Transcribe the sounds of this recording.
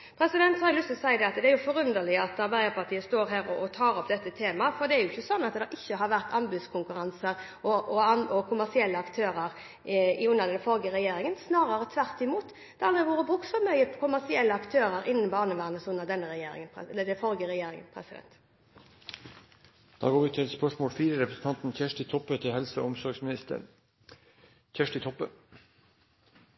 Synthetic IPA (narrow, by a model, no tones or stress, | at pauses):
pʰɾɛsɪd̪ɛnt̪shɑɾlʏst̪əsæɪəd̪ɛɑt̪d̪ɛæɾjʊfɔʁʉnd̪əlɪəɑt̪ɑʁbæɪd̪əɾpʰɑʈ̪ʰiːəst̪oːɾɦæːɾɔʔɔt̪ʰɑːɾɔp̚d̪ɛt̪ːət̪ʰeːmɑfɔɾd̪ɛæɾjʊɪçːəsɔnːɑt̪d̪ɛʔɪçːəɦɑɾʋæʁt̪ʰɑnbʉːd̪skʰʊŋkʉʁɑnsəɾ | ɔʔɔɑnɔkʰʊmæsɪɛlːəɑkt̪ʰøːɾəɾ | ʉnːəʁd̪ɛnfɔɾɡəʁɛjeːɾɪŋənsnɑːɾəɾət̪ʰʋæʁt̪ɪmuːt̪ | d̪̥ɛɑld̪ɪʋoːɾəbʁʉksfɔmœʏəkʰʊmæsɪɛlːəɑkt̪ʰøːɾəɾɪnːn̩bɑːnəʋæːʁnəsʉnːəʁd̪ɛnːəɾɛjeːɾɪ̰ŋənlːəd̪ɛfɔɾɡəʁɛjeːɾɪŋə̰npʰʁɛ̰sɪd̪ɛ̰nt̪ | d̪̥ɑ̰ːɡoːɾʋɪt̪ʰɪlɛspœʂmoːlfiːɾəɾɛpɾəsn̩t̪ʰɑnt̪n̩çæʂʈɪt̪ʰɔpːət̪ʰɪhɛlsəʊmsɔɾɡsmɪnɪst̪ə̰n | çæʂʈɪt̪ʰɔpːə